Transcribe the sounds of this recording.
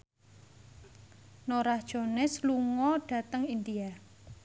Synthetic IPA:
noɾahd̥ʒ̥o̤nɛsluŋɔɖ̥ä̤t̪əŋind̪ia

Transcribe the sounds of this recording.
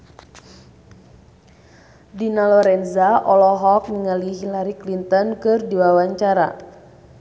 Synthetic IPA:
dinalɔɾɛnzaʔɔlɔɦɔk̚niŋaliɦilaɾiklint̪ɔnkɨrdiwawaɲt͡ʃaɾa̰

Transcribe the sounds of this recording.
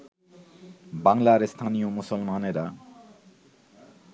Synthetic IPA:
baŋlaɾest̪ʰanijomusɔlmaneɾa

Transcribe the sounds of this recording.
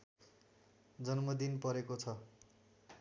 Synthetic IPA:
d͡zʌnmʌd̪inpʌɾekot͡sʰʌ

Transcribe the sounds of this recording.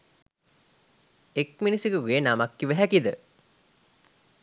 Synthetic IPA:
ek̚minisikəʋenamakːiʋæɦækid̪ə

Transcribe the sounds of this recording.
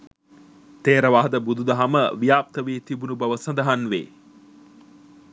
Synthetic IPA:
t̪eːɾəʋaːɦd̪əbud̪ud̪əɦaməʋijaːp̚t̪əʋiːt̪ibunubɐʋəsɐnd̪əɦanʋḛː

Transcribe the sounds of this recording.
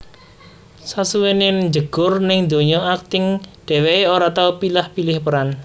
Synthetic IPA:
sasuwenenɲd͡ʒəɡ̥ʊrnɪŋd̪o̤ɲɔak̚t̪ɪŋɖ̥ɛ̤weeoɾat̪aupilahpilɪhpəɾan

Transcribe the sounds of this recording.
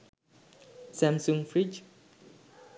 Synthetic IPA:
sɛ̃msũŋfɹit͡ʃ

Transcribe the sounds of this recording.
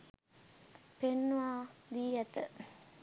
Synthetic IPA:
penːuʋaːd̪iːjɛt̪ə

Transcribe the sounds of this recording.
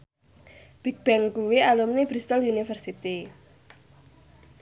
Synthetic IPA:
b̥ik̚b̥ɛŋkuwialumneb̥ɾist̪əlunifərsit̪i

